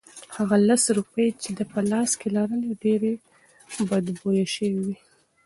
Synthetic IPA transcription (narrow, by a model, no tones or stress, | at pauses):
haɣalasɾupəjt͡ʃed̪əpəlɑskelaɾəneɖeɾe | bad̪bojaʃəwiwi